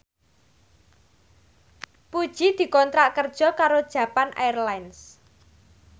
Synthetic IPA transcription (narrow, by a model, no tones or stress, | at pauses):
pud̥ʒ̥id̪̥i̤kɔnt̪ɾaʔkərd̥ʒ̥ɔ̤kaɾod̥ʒ̥ä̤panʔajrlajns